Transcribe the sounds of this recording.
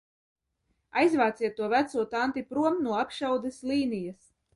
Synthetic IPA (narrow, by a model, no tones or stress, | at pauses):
ajzvaːt̪sʲiɛt̪ːuɔvæt̪suɔt̪ant̪ipɾuɔmnuɔapʃawd̪ɛsliːnijas